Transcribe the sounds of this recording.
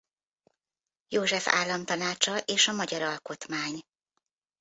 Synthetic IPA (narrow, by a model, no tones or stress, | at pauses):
joːʒɛfa̰ːlːɒmt̪ɒnaːt͡ʃɒʔeːʃɒmɒɟɒɾɒlko̞t̪maːɲ